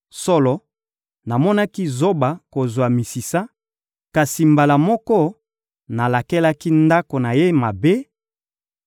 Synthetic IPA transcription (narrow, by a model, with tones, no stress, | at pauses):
sɔ˦lɔ˨ | na˨mɔ˦na˦ki˦zo˦ba˨ko˨zwa˨mi˨si˨sa˦ | ka˨si˨mba˨la˨mɔ˦kɔ˦ | na˨la˨ke˦la˦ki˦nda˦ko˨na˨je˦ma˨be˦